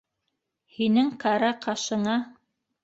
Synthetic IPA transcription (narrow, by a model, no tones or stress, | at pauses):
hinɘŋkɑɾɑqɑʃɤ̆ɴɑ